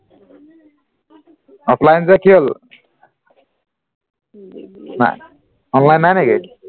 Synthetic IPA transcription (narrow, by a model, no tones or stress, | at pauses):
ɔpʰlajnt͡sakiɦol | na̰ | ɔnlajnːaneɡek